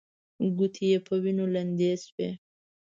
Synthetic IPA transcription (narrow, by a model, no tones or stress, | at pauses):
ɡut̪ʰijepʰəwinoland̪ezwe